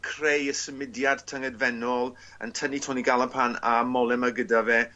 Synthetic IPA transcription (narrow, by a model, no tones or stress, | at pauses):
kʰr̥ejəsəmɪdjad̥tʰəŋɛdvɛnɔlˠ | ə̰ntʰənitʰɔniɡalˠənpʰana̰mɔlˠɛmaɡədavɛː